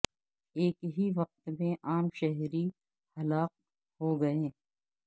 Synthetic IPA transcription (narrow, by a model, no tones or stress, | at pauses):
eːkɦiʋɐq̚t̪mẽʔaːmʃɛɦɾi | hɐlaːq̚ | ɦoɡɐẽː